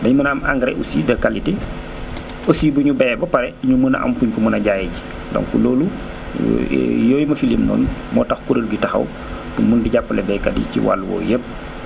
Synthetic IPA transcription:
dɐɲumənama̰ŋɡɾɛ̰ʔusḭdɐkaliti | osiːbuɲubɛːbɐpɐɾɛiɲuməna̰ʔɐ̰mfuɲkumunɐɟajɛɟi | dɔ̰ŋkulɔːlu | jɔːjimɐfilimnɔ̰ːnmɔ̰ːtɐxkuɾəlbitɐxɐ̰w | punmundiɟapːəlɛbɛkɐdḭcḭwa̰lːwɔ̰ːjəp̚

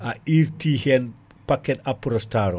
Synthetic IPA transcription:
aiɾtihɛn | pakɛtapuɾɔstaɾo

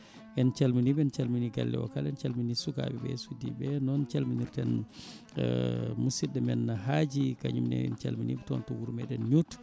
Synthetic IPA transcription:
ʔɛnt͡ʃalminiɓɛnt͡ʃalminiɡa̰lːɛ̰wɔ̰kalɛnt͡ʃalminisuka̰ɓɛbɛ̰sudibɛnɔnt͡ʃalminuɾtɛn | musiɗɛmɛnːaɦad͡ʒikaɲumnɛ̰ɛ̰nt͡ʃalminiɓɛtɔntɔwuɾmɛɗɛnɲut

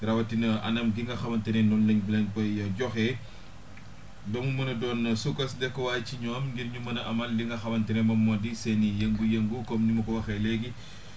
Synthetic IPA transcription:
ɾɐwɐtinɐɐ̰nɐmɡiŋɡɐxɐmɐntɛnɛnɔnlɐɲbilɐɲpɐjjɐɟɔxɛ | bɐmumɐnɐdɔːnsukɐsdɛkːɔwaːjciɲɔːmŋɡiɾɲumɐnɐʔɐmɐldiŋɡɐxɐmɐntɛnɛmɐmːɔdisɛnijɐŋɡujɐŋɡukɔmnimɐkɔwɐxɛlɛɡi

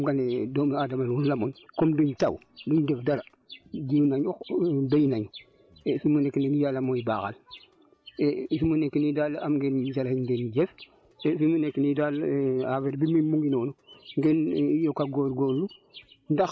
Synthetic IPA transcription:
mɡanedoːmadamanwullamonkomduɲta̰w | duɲdefdaɾa | ɟiwnaɲoxbejnaɲ | efimunekːineɡijaːlamojibaːxa̰l | efimunekːinidalamɡend͡ʒalahiɲɡenɟef | efimunekːinidalaveɾbimimuŋɡinoːnuŋɡenjokaɡoɾɡolːundax

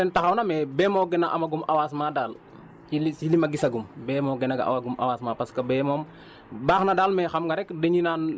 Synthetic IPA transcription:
dɛntɐxɐwnɐmɛbɛːmɔːɡɛnɐʔɐmɐɡumʔɐwaːsmaːdaːl | ilisilimɐɡisɐɡumbɛːmɔːɡɛnɐɡɐ̰ʔa̰waɡumɐ̰waːsmaːpɐskɐbɛːmɔm | baːxnɐdaːlmɛxɐmŋɡɐɾɛkdeɲinaːn

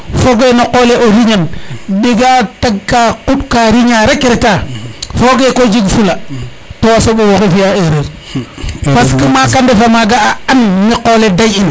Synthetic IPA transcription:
foɡenoqoleʔoɾiɲanɗiɡataɡ̚kakuɗkaɾiɲaɾakeɾetafoɡekod͡ʒiɡfula | tosoɓowokifijaeɾeɾ | paskimakandefamaɡaaanmiqoledajin

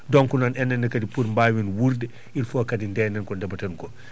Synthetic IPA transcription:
dɔŋkunanɛnːɛnːɐkɐdipuɾmbawinwuɾd | ilfɔkɐdindɛːnɛnkɔndɛbɐtɐnkɔ

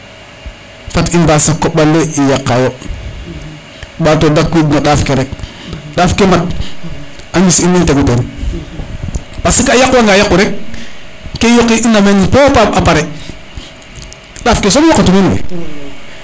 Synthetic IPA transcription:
fatimbasakːoɓalːeijakːajo | ɓatodakwidnaɗafkeɾek̚ | ɗafkemat̚ | aŋisinːinteɡuten | pasikajakwaŋɡajakːuɾek̚ː | ejokiʔinamenpopapapaɾe | ɗafkes̬omokːatuminwḛ

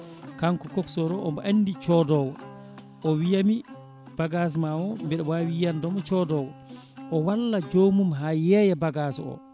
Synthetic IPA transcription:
kaŋkɔkɔksɔɾɔʔɔmbɔʔanːdit͡ʃɔdɔːwɔ | ʔɔwijami | b̥aɡas̬mawɔmbɛɗɛwawijandɔmɔt͡ʃɔdɔwɔ | ʔɔwalːad͡ʒomumɦajɛjɛbaɡaːsɔ̰

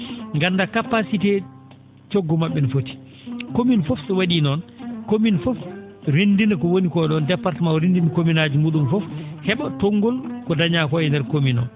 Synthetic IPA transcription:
ŋɡandakapasitɛ | t͡ʃoɡːɔmaɓːɛnfoti̥ | kominfɔfsɛwaɗiːnɔnkominfɔfɾindinakɔwonikɔɛɗɔndɛpːaɾtɛmanɾindinkominaːd͡ʒimuːɗunfɔfhɛɓatoŋɡɔlkɔdaɲakɔɛndɛɾkominɔ̰n

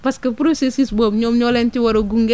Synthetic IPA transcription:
pɐskɐpɾosesisbomɲoːmɲɔlɛntiwɐɾoɡuŋɡ

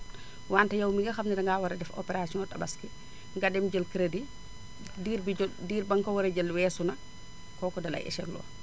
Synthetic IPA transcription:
waːntɐjawmiŋɡɐxamnɐdɐŋɡaːwaɾɐdɛfɔ̰pɛɾasiɔtɐba̰ski | ŋɡadɛmɟəlkɾedi | diɾbidiːɾbaŋkawɐɾɛɟɐlwɛːsunɐ | kɔːkɔdɐlɐ̰jɛ̰ʃɛɡlɔ̰ː

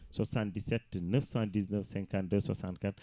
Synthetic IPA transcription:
sosandisetːɨnɨfsandiznɐfseŋkandəsosankɐn

